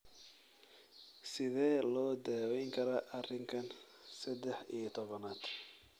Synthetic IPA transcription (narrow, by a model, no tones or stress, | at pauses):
sɪðɛːlɔːd̪aːwɛjŋkʰɐɾɐʔɐrɪŋkʰɐn | sɐd̪ɛħijɐt̪ʰɔβɐnaːd̪̥